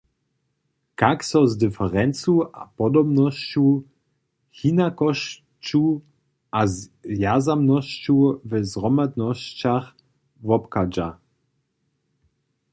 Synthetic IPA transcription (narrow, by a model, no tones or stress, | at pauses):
kaksɔzdɨfɛʁɛnt͡sua̰pɔd̪ɔbnɔɕt͡ɕu | hinakɔʃ | t͡ɕu | ʔazvjazamnɔɕt͡ɕuvɛzʁɔmad̪nɔɕt͡ɕax | vɔpkad͡ʑa̰